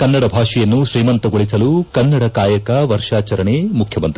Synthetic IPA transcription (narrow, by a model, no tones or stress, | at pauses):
kɐnːɐɽɐbʱaːʂijɐnːuʃɾiːmɐnt̪ɐɡoɭisɐlukɐnːɐɽɐkaːjɐkɐʋɐɾʂaːt͡ʃɐɾɐɳemukʰjɐmɐnt̪ɾɐ